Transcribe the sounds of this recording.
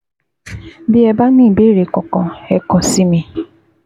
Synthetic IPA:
bi˦ɛ˨ba˦ni˦˨be˦ɾe˨kɔ˨kɔ˨ɛ˦kɔ˨si˦mĩ˧

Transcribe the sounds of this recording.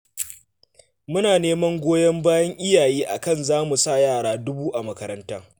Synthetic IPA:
mʊ˦naː˨neː˦mɐ˦ŋɡʷoː˦jɐ˦mbaː˦jɐ˦ŋʔɪ˦jaː˨jiː˦ʔa̰˨kɐ˦˨nzaː˦mu˨sa˦˨jaː˦˨ɽaː˦dʊ˦buː˦ʔa˨mɐ˦kɐ˦ɾɐ˦ntaː˦

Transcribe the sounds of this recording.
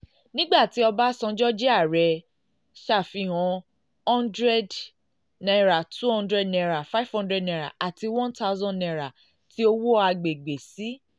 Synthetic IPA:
nĩ˦ɡ͡ba˦˨ti˨˦ɔ˧ba˦sɔ̃˧d͡ʒɔ˦d͡ʒɛ˦a˦˨ɾɛ˧ | ʃa˦˨fi˧ɦɔ̃˧ | ɔ̃˦ndɾɛ˦d | na˧ɾa˨tʰu˦hɔ̃˦ndɾɛ˦dnɛ˧ɾa˨fa˦fhɔ̃˦ndɾɛ˦dnɛ˧ɾa̰˨ʔa˨ti˧wɔ̃˦nta˦ʊ˦zɔ̃˦nɛ˧ɾa˨ | ti˨˦o˧wo˦a˧ɡ͡be˨ɡ͡be˨si˨˦

